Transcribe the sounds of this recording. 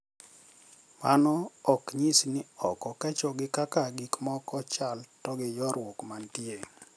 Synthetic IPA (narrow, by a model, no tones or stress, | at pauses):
manɔːkɲisnɪɔkɔkɛt͡ʃɔɡɪkakaɡikmɔkɔt͡ʃaltɔɡɪjɔɾwokmantie